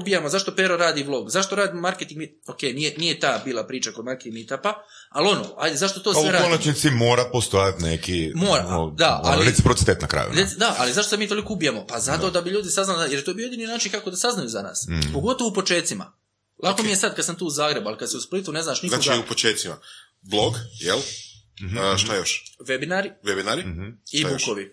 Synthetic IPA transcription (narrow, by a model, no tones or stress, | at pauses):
ubijamozaʃt̪opeɾo̞ɾaːd̪iʋlˠo̞ɡzaʃt̪o̞ɾaːd̪immaɾket̪iŋɡmi | okeːjnijenijet̪aːbiːlˠapɾiːt͡ʃakod̪maɾkimit̪apa | alo̞no̰ːha̰jd̪ezaʃt̪o̞t̪osoeɾaonat͡ʃnit̪simo̞ːɾapost̪ojat̪nekimoːɾa̰od̪aa̰liɾesipɾot̪it̪eːt̪nakɾa̰ːjṵd̪ed̪aʔalizaʃt̪osemiːt̪o̞likoubijamo̞pazat̪o̞d̪abiʎuːd̪isaznalajeɾjet̪obijojed̪ininaːt͡ʃinkakod̪asaznajuzana̰ːspo̞ɡo̞t̪oʋoupo̞t͡ʃe̞ːt̪sima̰ | lˠʔakomije̞sad̪kad̪samt̪uːuzaːɡɾe̞bualikad̪seusplit̪une̞znaːʃnik̪aoɡiupot͡ʃeːt̪sima̰ | blˠoɡjel | ʃt̪ajoʃʋebinaɾiʋebinaɾiiukoʋi